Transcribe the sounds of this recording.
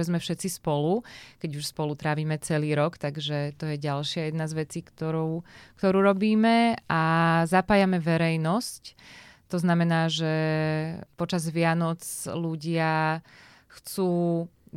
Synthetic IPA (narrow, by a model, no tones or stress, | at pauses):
ɛzmɛfʃɛt̪t͡sispɔlukɛɟuʃspɔlut̪ɾaːʋiːmɛt͡sɛliːɾɔkt̪aɡʒɛt̪ɔjɛɟalʃɪajɛd̪nazʋɛt͡siːkt̪ɔɾuːkt̪ɔɾuːɾɔbiːmɛʔazapaːjamɛʋɛɾɛjnɔsct̪ɔznamɛnaːʒɛ | pɔt͡ʃazʋɪanɔt͡sluɟɪa | xt͡suː